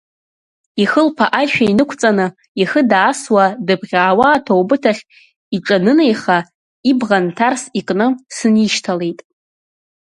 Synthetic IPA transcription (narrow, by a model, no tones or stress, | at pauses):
iχəlpʰaʔaʃᶣainɨkʷʰt͡sʼanɨ | iχədaːswadɨbʁʲaːwaːtʰowbɨtʰaχʲ | iʈ͡ʂʼanɨnejχa | ibʁantʰarsikʼnɨsɨniʃtʰale̞jtʼ